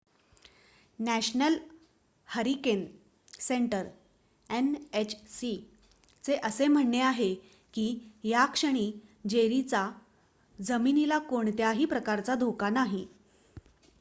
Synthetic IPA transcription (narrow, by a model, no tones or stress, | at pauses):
næɕnəl | həɾiken | seɳʈəɾ | enet͡ɕʰsi | t͡seʔəsem̤əɳːeaɦe | kiːjakʂəɳ̃iːd͡ʑeɾit͡sa | d͡zəminilakoɳt̪jaɦiːpɾəkaɾt͡sad̪ʱokanaɦi